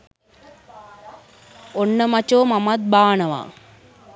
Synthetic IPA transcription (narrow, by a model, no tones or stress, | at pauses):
onːəmat͡ʃoːmamat̪̚baːnəʋa̰ː